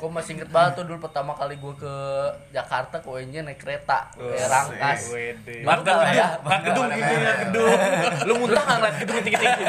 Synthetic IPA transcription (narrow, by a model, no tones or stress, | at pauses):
komasiŋɡət̪̚balat̪ːudʊlpərt̪amakaliɡuɛkəd͡ʒakart̪akoeɲd͡ʒanakəɾet̪a̰eɾaŋkasmat̪adaɡədʊŋkit̪uɲakədʊŋlumunt̪aŋaŋlaɡəduŋkit̪ikit̪i